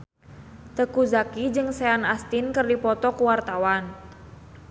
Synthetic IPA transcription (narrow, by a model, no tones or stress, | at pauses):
t̪əkuzakid͡ʒɨŋseanast̪inkərdipɔt̪ɔkuwart̪awan